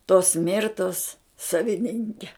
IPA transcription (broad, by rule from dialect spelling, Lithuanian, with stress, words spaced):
toːs ˈmʲɪrtoːs sɐʋʲɪˈnʲɪŋʲkʲɛ